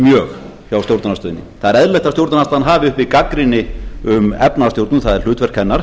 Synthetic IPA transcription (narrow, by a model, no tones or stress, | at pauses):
mjœːx | çjawst̪jowɾt̪nast̪ʏːðɪnːɪ̰θaðɛɾɛðlɛht̪ast̪jowɾt̪nast̪aðanɦaːvɪʏhpikakɾɪnːɪʏmɛpnat̪jowɾt̪ʏnθaðɛɾ̥l̥ʏːt̪vɛr̥kʰɛnːaɾ̥